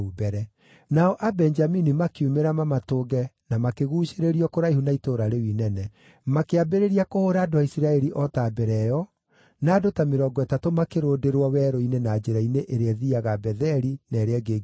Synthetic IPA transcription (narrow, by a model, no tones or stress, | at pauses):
ubɛɾɛ | naɔʔabɛnd͡ʒaminimakeumeɾamamatoːɡɛnamakeɣuːʃeɾeɾiɔkoɾaiɦunaitoːɾaɾewinɛnɛ | makeabeɾeɾiakohoɾaːdowaisiɾaɛɾiʔɔtaːbɛɾɛjɔ | naːdotameɾɔːɡɔɛtatomakeɾoːdeɾwɔwɛɾɔinenad͡ʒeɾaineʔeɾeɛðiaɣabɛðɛɾinaɾeɛɡeɡ